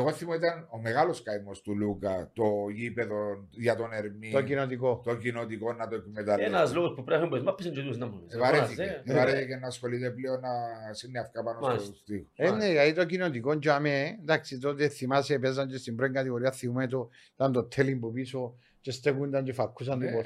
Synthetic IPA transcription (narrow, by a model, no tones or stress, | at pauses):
eɣoθimoit̪ɐnomeɣaloskajmost̪ulukɐ̰t̪oipeðonʝɐt̪o̞neɾmit̪okinot̪̬ikot̪ocinot̪ikonːɐt̪oekmet̪alenazloɣopupɾefemboezmapːisind͡ʒot̪ioznɐmunevaɾeθieevaɾeθecenːaːsxo̞lit̪epleonːasinːeafkapanosst̪ixoenːeait̪okinot̪ikond͡ʒoamend̪aksit̪ot̪eθimasepezant͡ʃest̪imbɾoiŋɡat̪iɣoɾiaθimumet̪o | t̪ant̪ot̪ʰːelimbupiso | t͡ʃest̪ekund̪anɲd͡ʒefakʰːus̬and̪upo